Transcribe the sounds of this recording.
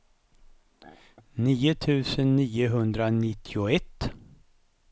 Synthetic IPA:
niːʊt̪ʰʉ̟ːsənːiːʊɦɵnd̪ɾanɪt̪ʰːɪʊɛt̪ː

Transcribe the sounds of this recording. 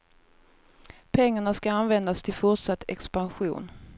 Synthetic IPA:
pʰɛŋːaɳaskaanvɛnd̪ast̪ʰɪlfʊʈʂat̪ːɛ̰kspanɧṵːn

